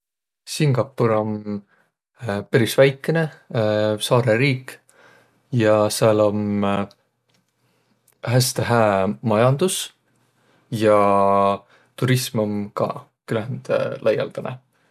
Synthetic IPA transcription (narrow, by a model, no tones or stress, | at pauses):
siŋɡ̥ɑpːuɾo̞n | pæɾisvæjkˑːene̞ | sɑːɾeɾiːk | jɑseɑlo̞m | ɦæst̪eɦæːmɑjɑnd̪̥us | jɑ | t̪uɾismomkɑ̰ | kylæænd̪̥lʔɑjɑ̰ld̪̥ɑnḛ